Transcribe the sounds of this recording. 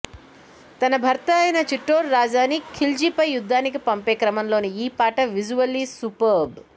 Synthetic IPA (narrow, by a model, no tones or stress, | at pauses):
t̪ɐnɐbʱɐɾt̪ɐːjɐnɐt͡ʃiʈːoːɾːaːd͡ʒaːnikʰild͡ʒipɐjːud̪ʱːaːnikipɐmpeːkɾɐmɐmlo̞ːniiːpaːʈɐʋid͡ʒuʋɐlisupɐɾb